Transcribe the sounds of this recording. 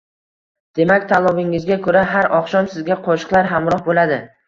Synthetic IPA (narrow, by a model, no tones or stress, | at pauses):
d̪̥e̞makʲt̪ʰalˠɒvɪŋɪzɡʲakʰɵɾaɦaɾɒχʃɒnsɪzɡʲaqʰoʃɨ̥qlˠaɾɦamɾɒhbolad̪ɪ